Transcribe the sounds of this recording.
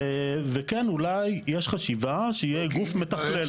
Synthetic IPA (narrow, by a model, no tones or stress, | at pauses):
vekenulajjeʃχaʃivaʃeijeɡufmet̪aχle